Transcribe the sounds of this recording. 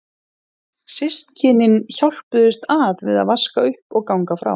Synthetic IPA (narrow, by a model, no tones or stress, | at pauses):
sɪst̪cʰɪnɪnçawl̥pʏðʏst̪aːðvɪða̰ðvaskaʏhpɔɣkawŋkafɾa̰w